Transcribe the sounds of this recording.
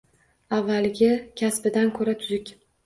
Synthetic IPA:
avːalɪɡʲɪkʲʰasbɪd̪ankʰɵɾat̪ʰʊzɪkʲ

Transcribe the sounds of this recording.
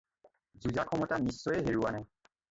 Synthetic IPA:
zuzakʰɔmɔtanisːɔjɛɦeɹuwanaj

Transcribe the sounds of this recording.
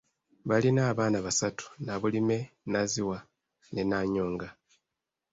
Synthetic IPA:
βalinaːβaːnaβasatu̥naβulime̞naziwa | ne̞naːɲoːŋɡa

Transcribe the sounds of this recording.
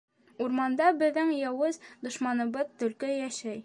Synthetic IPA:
uɾmɑnd̪ɑbɘ̆ðɘŋjɑwɤzd̪ŏʃmɑnɤ̆bɤðt̪ɵ̆lkɘjæʃæj

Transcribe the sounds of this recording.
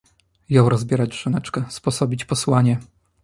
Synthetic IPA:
jɔ̃w̃ɾɔzbʲjɛɾad͡ʑʐ̥ɘnɛt͡ʂkɛspɔsɔbʲit͡ɕpɔswaɲɛ

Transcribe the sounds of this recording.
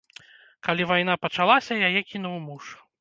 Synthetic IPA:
kalʲivajnapɐt͡ʂalˠasʲɐjajɛkʲinuwmuʂ

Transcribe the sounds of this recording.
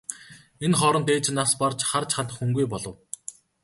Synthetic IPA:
enχɔɾɞ̆nt̪eːt͡ɕnaspart͡ɕχart͡ɕχant̪ə̆χxuŋɡujpɔɮɞ̆w

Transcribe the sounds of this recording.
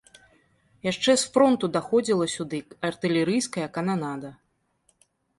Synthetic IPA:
jaʂt͡ʂɛsfɾɔnt̪ud̪axɔd͡zʲilˠɐsʲud̪ɨɐrt̪ɨlʲɛɾɨjskɐjɐkɐnanad̪ɐ

